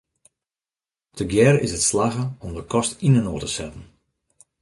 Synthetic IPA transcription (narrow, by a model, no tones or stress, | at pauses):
tʰəɡjɛrɪ̰sətslaɣəɔmdəkʰɔstinənoːrtəsɛtn̩